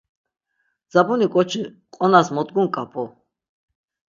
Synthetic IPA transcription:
d͡zabunikʼɔt͡ʃʰi | qʼɔnasmɔd̪ɡuŋkʼapʰɔ

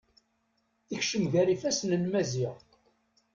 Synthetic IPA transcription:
içʃəmʝæɾifæsnənmæziʁ

